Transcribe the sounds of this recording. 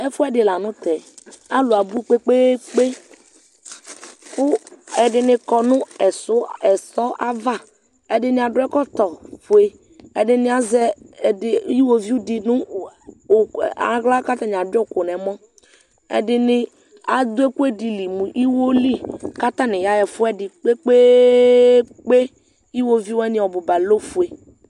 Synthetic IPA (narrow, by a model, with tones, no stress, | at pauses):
ɛ˦fʊ˦ɛ˦dɪ˨la˨nʊ̃˦t̪ɛ˨ | a˦lʊ˨a˨bu˦˨k͡pe˦k͡pe˦k͡pe˦ | kʊ˦ɛ˨dɪ˨nɪ˨kɔ˨nʊ̃˦ɛ˨sʊ˦ɛ˨sɔ˦ʔa˦va˦˨ | ɛ˨dɪ˨nɪ˨a˨dʊ˦ɛ˦kɔ˦t̪ɔ˨fʊ˨e˦ | ɛ˨dɪ˨nɪ˦a˦zɛ˦˨dɪ˨˦i˦wo˦vi˦u˦di˨nʊ̃˦˨ | a̰˨˦ɣla˦ka˦t̪a˦ɲ˨a˨dɔ˦˨ko˨nɛ˨mɔ̃˦ | ɛ̰˨dɪ˨nɪ˨ | a˨d̪ʊ˦e˦ku˦e˦di˨li˨mũ˨ʔi˦wo˦li˦ka˦t̪a˦nɪ̃˨ja˦jɛ˨fʊ˦ɛ˦dɪ˨k͡pe˦k͡pe˦ | k͡pe˦ | i˦wo˦vi˦wɛ˦nɪ̃˨ɔ˨bʊ˨ba˨lo˦fu˨e˨